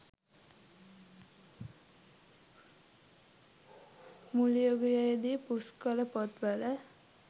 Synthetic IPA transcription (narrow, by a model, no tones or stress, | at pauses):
mulijoɡjajd̪ipuskʌlʌpʌt̪bala